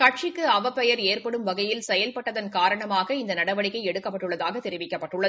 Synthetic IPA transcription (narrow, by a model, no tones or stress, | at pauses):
kɐʈ̚t͡ʃɪkːɯɐʋɐpːɛjɐɾeːrpɐɽɯmʋɐɣɐjɪlsɛjɐlpɐʈːɐðɐnkaːɾɐɳɐmaːɣɐɪnd̪ɐnɐɽɐʋɐɭɪkːɐɪɛɽɯkːɐpːɐʈːɯɭːɐðaːɣɐt̪ːɛɾɪʋɪkːɐpːɐʈːɯɭːɐð